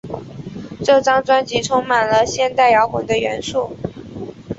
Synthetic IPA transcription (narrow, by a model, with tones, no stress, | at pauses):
ʈ͡ʂɤ˥˩ʈ͡ʂɑ˥ŋt͡swa˥nt͡ɕi˧˥ʈ͡ʂʰʊ˥ŋma˨˩nlə˦ɕjɛ˥˧nt̪a˥˩ɪjɑ˧˥ʊkwə˨˩ŋd̪ə˦ɥɛ˧˥nʂu˥˩